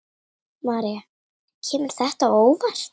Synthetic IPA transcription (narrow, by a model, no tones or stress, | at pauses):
maːɾia | cʰɛːmʏɾ̥θɛht̪aoːwvaɾ̥